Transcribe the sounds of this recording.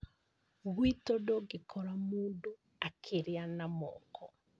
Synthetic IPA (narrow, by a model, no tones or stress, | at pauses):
ɣwitodoɡekʰɔɾamuːndo | akʰeɾeanamɔ̰ːkʰɔ